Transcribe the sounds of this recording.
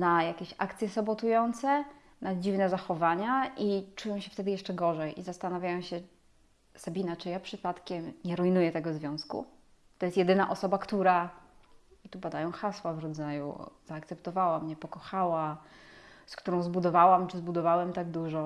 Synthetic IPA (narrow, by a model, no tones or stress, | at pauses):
najakʲeɕakt̪sʲjɛsɔbɔt̪ujɔnt̪sɛ | nad͡ʑivnɛzaxɔvaɲaʔit͡ʂujɔ̃w̃ɕɛft̪ɛd̪ɘjɛʂt͡ʂɛɡɔʐɛjʔizast̪anavʲjajɔ̃w̃ɕɛ | sabʲinat͡ʂɨjapʂɘpat̪kʲɛmɲɛɾujnujɛt̪ɛɡɔzvʲjɔ̃w̃skṵ | t̪ɔjɛst̪jɛd̪ɘnaʔɔsɔbakt̪uɾa | t̪ubad̪ajɔ̃w̃xaswavɾɔd̪zajṵz̥aːk̚t̪sɛpt̪ɔvawamɲɛpɔkɔxawa | skt̪uɾɔ̃w̃zbud̪ɔvawamt͡ʂɘzbud̪ɔvawɛmt̪aɡ̚d̪uʐɔ